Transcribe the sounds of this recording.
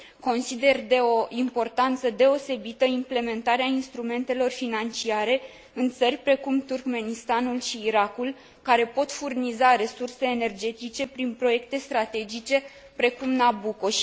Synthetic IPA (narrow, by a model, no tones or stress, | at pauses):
ko̞nsid̪e̞rd̪e̞o̞ʔimpo̞rt̪ant̪səd̪e̞o̞se̞bit̪əimple̞me̞nt̪aɾeainst̪ɾume̞nt̪e̞lo̞rfinant͡ʃiaɾe̞ | ɨnt̪sərʲpɾe̞kumt̪urkme̞nist̪anulʃiːɾakul | kaɾe̞po̞t̪furnizaɾe̞surse̞ːne̞rd͡ʒe̞t̪it͡ʃe̞pɾinpɾo̞je̞kt̪e̞st̪ɾat̪e̞d͡ʒit͡ʃe̞ | pɾe̞kumnabuko̞ʃ